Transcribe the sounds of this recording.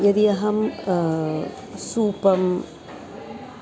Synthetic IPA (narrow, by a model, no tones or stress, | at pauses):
jɐd̪ijɐɦɐm | suːpɐm